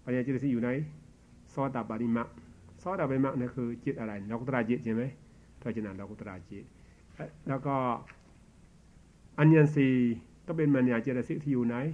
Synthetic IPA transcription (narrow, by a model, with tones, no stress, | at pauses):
pa˧˨i˧a˧t͡ʃɾa˧˨si˧˦ju˧˨na˧˦j | sɔ˧˦t̪a˨pa˨ni˧ma˧k̚sɔ˧˦ta˧pa˧i˧˦ma˧kna˧kʰɯ˧t͡ɕi˧˦t̚ʔa˧ɾa˨jn˨lɔ˧ku˧˦t̪a˧ɾa˧t͡ʃi˧t̚ɲi˧˦ma˧j | tʰɔ˧˨t͡ʃa˧na˨ndɔ˧˨ku˧t̪a˧ɾa˨˧t͡ʃi˧˨t̚ | lɔ˧kɔ˧ | a˧nja˧nsi˧t̪ɔ˦be˧nma˧n˧ja˨t͡ʃi˧˨da˧si˦k̚t̪ʰi˧ju˧na˧˦j